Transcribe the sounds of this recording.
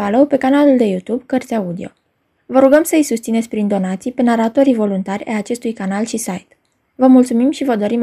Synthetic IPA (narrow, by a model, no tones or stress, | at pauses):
alowpe̞kanaluld̪e̞jut̪ubkərt̪sʲaud̪io̞̰ | vəɾuɡəmsəɨjsust̪sinet̪sʲpɾind̪o̞nat̪sijpenaɾat̪oɾivo̞lunt̪arʲa̰jat͡ʃe̞st̪ujkanalʃisajt̪ | vəmult̪sumimʃivəd̪o̞ɾim